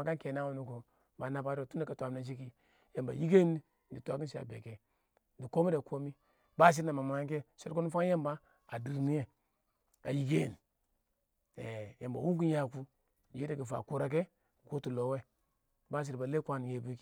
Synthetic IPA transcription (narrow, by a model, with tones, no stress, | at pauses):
a˨ka˦nke˨na˦wo˨nu˦ku˨ | ba˨na˨ba˨˦ɾo˨tu˦a˨ka˨tʷa˨mna˨nʃ̬i˦ki˦ | je˨mba̰˨ji˦ɡe˦ni˦ | n˨di˨tu˨˦a˨˦ki˦n˦ʃi˦a̰˨be˨ke˨ | di˨ko˦mi˦da˨kʰo˦mi˦ | ba˦˨s̬i˦ɾna˨ma˨mu˨a˦ŋ˦ke˦se˦ko˦nu˦fa˦ŋ˦je˦mba˦ | a˨di˨ɾni˦je˦ | a̰˨ji˨ɡe˦˨n˨ | e˨je˨mba̰˨wu˦ku˦ja˨ku˦ | d͡ʒe˦de˨ki˨fa̰˨ku˦ɾa˦k̬e˦˨ | ɡo˦tu˨lo˨˦we˦ | ba˦s̬i˨ɾba˨le˦kʷa˦n˨je˨bi˦k